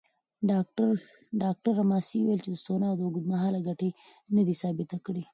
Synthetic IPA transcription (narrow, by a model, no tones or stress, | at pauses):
ɖɑk̚ʈaɾːamɑsiuwajelt͡ʃed̪əsonad̪əɡʊd̪maɦɑːlaɡaʈenad̪isɑːbɪt̪akɽi